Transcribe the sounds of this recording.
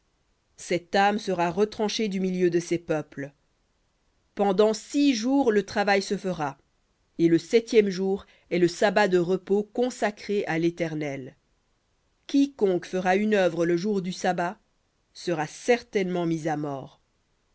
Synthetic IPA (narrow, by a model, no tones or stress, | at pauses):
sɛt̪amsəʁaʁət̪χɑ̃ʃed̪ymiljød̪əsɛpœpl | pɑ̃d̪ɑ̃siʒuːʁlət̪χavajsəfəʁa | eləsɛt̪jɛmʒuːʁ | ɛləsabad̪əʁəpokɔ̃sakχeʔalet̪ɛʁnɛl | kʲikɔ̃kfəʁaynœvʁələʒuʁd̪ysaba | səʁasɛʁt̪ɛnmɑ̃mizamɔːʁ